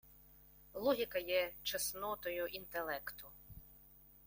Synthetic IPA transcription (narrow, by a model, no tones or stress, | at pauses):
lˠɔɦʲikɐjɛt͡ʃesnɔt̪ɔjʊʔint̪elˠɛkt̪ʊ